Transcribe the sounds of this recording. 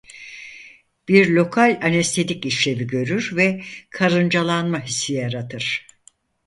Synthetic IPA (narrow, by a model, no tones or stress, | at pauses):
b̥iɾlʲo̞kʰalʲanest̪ʰed̪ʲiciʃlʲe̞viɟø̞ɾyɾvɛkʰaɾɯnd͡ʒalˠanmaɦisːijaɾat̪ʰɯɾ̥